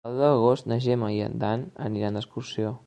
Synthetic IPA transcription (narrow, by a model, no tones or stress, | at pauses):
luðəɣost̪nəʒeməjə̰nd̪anə̰niɾand̪əskursio